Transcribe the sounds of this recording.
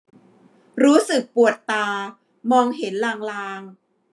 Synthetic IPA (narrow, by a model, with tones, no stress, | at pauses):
ɾuː˦˥sɯ˨˩k̚pu˨˩ət̪ːaː˧ | mɔː˧ŋɦe˩˦nlaː˨˩ŋlaː˧ŋ